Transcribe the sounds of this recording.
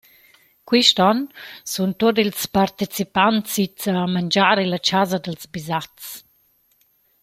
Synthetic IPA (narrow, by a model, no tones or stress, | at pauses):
kwiʃtɔnsunt̪ot̬ilspaɾt̪it͡sipantsit͡samand͡ʒaɾilat͡ʃazad̪əlzbizat͡s